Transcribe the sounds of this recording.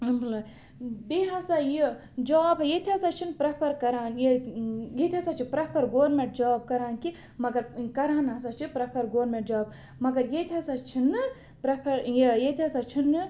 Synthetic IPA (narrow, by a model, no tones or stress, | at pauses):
bʱɐla | beɦasaji | d͡ʒaːbɐjet̪ʰiɐsat͡ʃʰinpɾɐpʰɐɾkɐɾaːnjjet̪ʰiɐsat͡ʃʰipɾɐpʰɐɾɡoːɾmẽʈ̚d͡ʒaːb̚kɐɾaːnki | mɐɡɐɾkɐɾaːnɦɐsat͡ʃʰipɾɐpʰɐɾɡoːɾmẽʈ̚d͡ʒaːb̚ | mɐɡɐɾjet̪ʰiɦɐsat͡ʃʰinɨ | pɾɐpʰɐɾjijet̪ʰiɐsat͡ʃʰinɨ